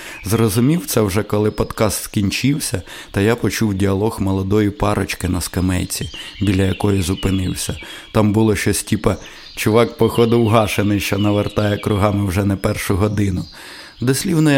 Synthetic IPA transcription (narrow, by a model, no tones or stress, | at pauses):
zrɔzʊmʲiwt̪sɛwʒɛkɔlˠɪpɔd̪kɑst̪skʲinʲt͡ʃiwsʲɐ | t̪ɐjapɔt͡ʃuwdʲiɐlˠɔxmɔlˠɔd̪ɔjipɑɾɔt͡ʃkɪnɐskɐmɛ̰jt͡sʲibʲilʲɐjɐkɔjizʊpɪnɪwsʲɐt̪ɑmbʊlˠɔʃt͡ʃɔsʲtʲipɐ | t͡ʃʊʋɑkpɔxɔd̪ɪwɦɑʃenɪjʃt͡ʃɔnɐʋert̪ɑjɛkɾʊɦɑmɪwʒɛnɛpɛrʃʊɦɔd̪ɪnʊ | d̪ɔsʲlʲiwnɔj